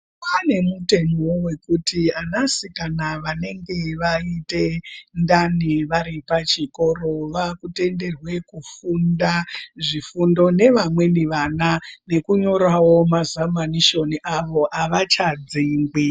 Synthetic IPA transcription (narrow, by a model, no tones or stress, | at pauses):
pane̞mute̞nowe̞kutʰianasikanaʋane̞ŋɡe̞ʋaite̞ndaniʋaɾipat͡ʃiko̞ɾo̞ʋakute̞nde̞rwe̞kufundaʐifundo̞ne̞ʋamwe̞niʋanane̞kuɲo̞ɾawo̞mazamaniʃo̞niʔaʋo̞ʔaʋat͡ʃad͡ziːŋɡi